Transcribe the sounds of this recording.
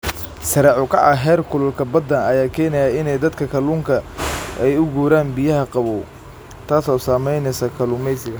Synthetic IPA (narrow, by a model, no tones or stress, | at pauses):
sɐɾɛʕʊkʰɑ̰ʕɐɦɛːrkʰʊlʊlkʰɐbɐd̪ːɐnɐjaːkʰɛːnɛjaɪnɛjd̪ɐd̪kʰɐkʰɐluːŋkʰɐʔɛjʊɡuːɾaːnbɪjɐɦɐqɑβɔː | t̪ʰaːsɔːsaːmɛjnɛjsɐkʰɐlʊmɛjsɪɡɐ